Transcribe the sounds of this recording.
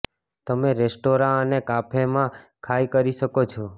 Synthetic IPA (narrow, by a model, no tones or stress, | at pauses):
t̪əmeɾesʈoɾãənekapʰemãkʰajkəɾiʃəkot͡ʃʰɔ